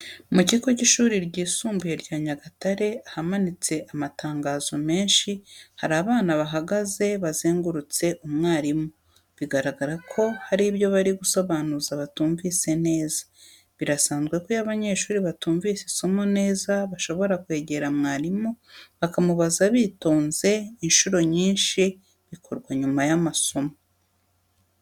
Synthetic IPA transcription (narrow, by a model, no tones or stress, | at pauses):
muciko̞ciʃuːɾiɾɟiːsuːmbujeɾɟaːɲaɡataɾe̞ahamanit͡se̞ʔamataːŋɡaːzo̞me̞ːnʃihaɾaːβaːnaβaɦaɡaze̞βazeːŋɡuɾut͡se̞ʔumŋaːɾimu | βiɡaɾaɡaɾakʰo̞haɾiβjo̞βaɾiɡuso̞βaːnuzaβatuːɱvise̞ne̞ːzḁ | βiɾasaːnzɡwe̞kojaβaɲe̞ʃuːɾiβatuːɱvisiso̞mo̞ne̞ːzaβaʃo̞βo̞ɾakwe̞ːɟe̞ɾamŋaːɾimoβakamuβazaβiːtoːnze̞inʃuɾo̞ɲiːnʃi | βikʰoɾɡwaɲumajamaso̞mo